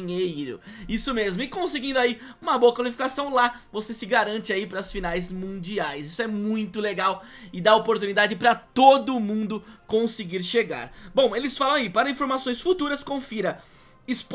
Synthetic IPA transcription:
ɲejɾʊ̰isʊmezmʊɪkõsɪɡĩnd̪ʊai | ũmɐboɐkwalifi̥kasɐ̃w̃la | vosesɪɡaɾɐ̃nt͡ʃɪaipɾɐsfinajzmũd͡ʒiajzisʊɛmũj̃t̪ʊleɡaw | ɪd̪aopoɾt̪unid̪ad͡ʒɪpɾɐt̪od̪ʊmũnd̪ʊkõsɪɡiɾʃeɡa̰ɾbõw̃elɪsfalɐ̃aipaɾɐĩfoɾmasõj̃sfut̪uɾɐskõfiɾɐ | ɪsp

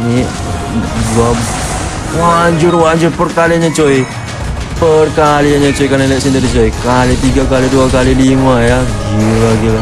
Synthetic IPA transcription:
ni | dua | waɲd͡ʒʊrwaɲd͡ʒʊrpərkaliaɲat͡ʃoi | pərkaliaɲat͡ʃoikanalɛʔsint̪adit͡ʃoikalit̪iɡakaliduakalilimajaɡilaɡila

